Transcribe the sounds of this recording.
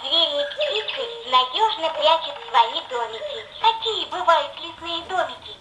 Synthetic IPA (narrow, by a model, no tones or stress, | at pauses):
zɾʲemʲɪjəp̪ʲit͡sɨnɐdʲoʐnəpɾʲat͡ʃɪt̪svɐid̪omʲɪkʲɪk̪ɐkʲijəbɨvajʊt̪lʲislˠɨjəd̪omʲɪkʲɪ